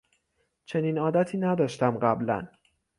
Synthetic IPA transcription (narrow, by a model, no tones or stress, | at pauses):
t͡ʃʰe̞niːnɒːd̪æt̪ʰiːnæd̪ɒːʃt̪æmɢæblæ̰n